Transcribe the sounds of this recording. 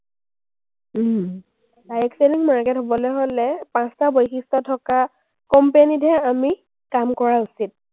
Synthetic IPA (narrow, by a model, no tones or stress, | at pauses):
dajɛkseliŋmaɹkɛtɦobɔlojɦolɛpãstabojxistɔtʰɔka | kɔmpenidʱɛami | kamkɔɹausit̚